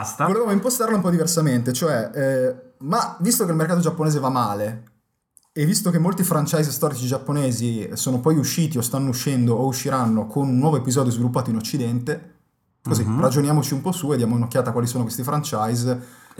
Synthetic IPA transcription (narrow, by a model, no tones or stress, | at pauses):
st̪avolevaːmoimpost̪arlaumpɔd̪iversament̪et͡ʃoɛ | mavist̪okelmerkaːt̪od͡ʒapːoneːzevamːaːle | evːist̪okemːolt̪ifɾant͡ʃajzst̪ɔːɾit͡ʃid͡ʒapːoneːzisoːnopɔjuʃːiːt̪iost̪anːouʃːɛnd̪oʔouʃːiɾanːokʰonunːwɔːvoepizɔːd̪jozvilupːaːt̪oinot͡ʃːid̪ɛnt̪e | kːozerad͡ʒonjaːmot͡ʃiumpɔsued̪ːjaːmoinokːjaːt̪akwalisoːnokwest̪ifɾant͡ʃajz